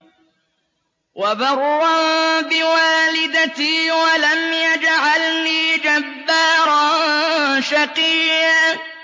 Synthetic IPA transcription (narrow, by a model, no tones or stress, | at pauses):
wabɑɾˤːɑnbɪwaːlɪd̪at̪iːwalamjad͡ʒʕalniːd͡ʒabːaːɾˤɑnʃaqiːja